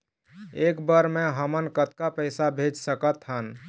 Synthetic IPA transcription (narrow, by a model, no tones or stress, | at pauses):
ekbəɾmẽɦəmənkət̪kapəɪsabʱed͡ʒsəkət̪ɦən